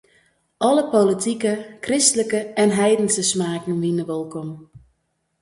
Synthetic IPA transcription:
ɔləpolitʰikəkrɪstələkəɛnɦɛjdən̩səsmaːkn̩ʋinəʋolˠkɔm

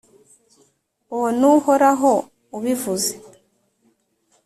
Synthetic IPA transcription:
onuhoɾaɦo | uβivuze

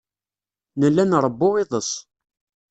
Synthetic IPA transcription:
nəlːænɾˤəbːoʁɪðˤəs

